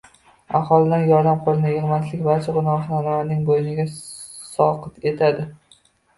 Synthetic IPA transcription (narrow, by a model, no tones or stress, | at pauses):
a̰ɦɒlˠɪd̪anjɒɾd̪amqʊɾɪnɪɪʁmat̪lɪkʲvaɾt͡ʃʰɪʁʊnɒqnanmanɪŋbojɪnɪɡʲa | sɒqɨt̪ʰe̞t̪ʰad̪ɪ